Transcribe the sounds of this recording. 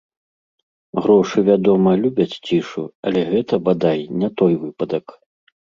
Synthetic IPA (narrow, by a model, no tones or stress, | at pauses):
ɣɾɔʂɨvʲad̪ɔmɐlʲubʲɐt͡sʲt͡sʲiʂuɐlʲɛɣɛt̪ɐbad̪ajnʲat̪ɔjvɨpɐd̪ɐk